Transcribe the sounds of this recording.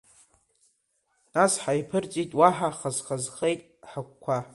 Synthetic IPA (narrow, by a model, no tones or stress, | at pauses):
nasħajpʰɨrt͡sʼitʼwaħaχazχazχejtʼħakʷkʷʰa